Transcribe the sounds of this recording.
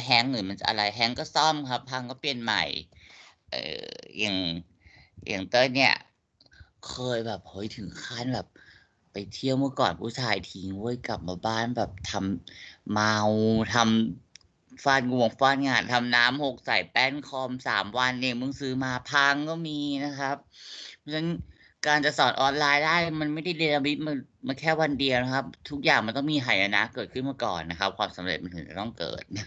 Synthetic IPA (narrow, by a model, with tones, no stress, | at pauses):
ɦɛ˧˥ŋlɯː˨˦ma˧nsa˧˩ʔa̰˧a˧jɦɛ˧˥ŋkɔː˥˩sɔ˥˩mkʰa˦˥pʰːa˧ŋkɔː˥˩pe˧˩nma̰˨˩j | ʔɤ̰ː˧˩ja˨˩ŋ | jʔa̰˨˩ŋt̪ɤː˥˩ni˦˥˩ɐ | kʰɤː˧jbɛː˨˩p̚hɤ˨˦˥jt̪ʰɯ˨˩˦ŋkʰaː˥˩˨nbɛː˨˩p̚ː | a˨˩jt̪ʰi˧˥˩əwmɯ˥˩kɔ̰ː˨˩npʰuː˧˥˩t͡ɕʰaː˧jt̪ʰiː˨˧˦ŋu˧˥ə˨jka˨˩p̚maː˧baː˥˩nbɛː˨˩p̚t̪ʰa˧mː | a˧wt̪ʰa˧m | faː˧nŋu˨˩əŋfaː˧nŋaː˨˩nt̪ʰa˧mnaː˦˥mho˨˩k̚sa˨˩˦jpɛ˥˩nkʰɔː˧msa̰ː˩˦mwa˧nʔe˧˩ŋmɯ˧˥˧ŋsɯː˦˥maː˧pʰa˧ŋkɔː˥˩miː˧na˦˥kʰa˦˥p̚ːt͡ɕʰa˦˥n | kaː˧nt͡ɕa˨˩sɔː˩˦nʔɔː˧nlaː˧jdaː˥˩jma˧nma˥˩jda˥˩jdeː˧la˧mi˦˥t̪̚ma˧ | ma˧kʰɛː˥˩wa˧ndi˧əwna˦˥kʰa˦˥p̚t̪ʰu˦˥k̚jaː˨˩ŋma˧nt̪ɔ˥˩ŋmiː˧ɦʰaː˨˩ja˧na̰˦˥ʔkɤː˨˩t̪̚kʰɯ˥˩nma˧˥əkɔ̰ː˨˩nːa˦˥kʰa˦˥p̚kʰwaː˧msa˩˦mɾḛ˨˩t̪̚ma˧nt̪ʰɯ˩˦t͡ɕa˨˩t̪ɔ˥˩ŋkɤ̰ː˨˩t̪̚na˦˥